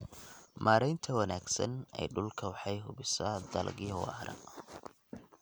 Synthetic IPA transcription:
mʔaːɾɛjnt̪ʰɐwɐnaːɡsɐ̰nɛ̰jɖʊlkʰɐwɑħɑjɦʊbɪsɐd̪ɐlɡɪjwɑ̰ːɾɐ̰

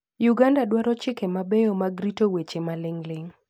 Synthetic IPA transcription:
juɡandadwaɾɔt͡ʃɪkemabejomaɡɾitowet͡ʃemalɪŋlɪŋ

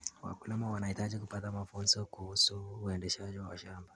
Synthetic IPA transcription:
wa̰kulɛmawanahitaʄikupatamafunzɔkuhusuːɛndɛʃaʄiwawa̰ʃamba

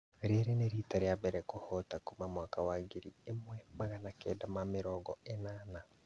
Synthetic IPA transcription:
ɾeɾeneɾitaɾjabɛɾɛkohɔtakomamwakawaɡeɾiemwɛmaɣanakɛdamamɪɾɔːɡɔenaːna

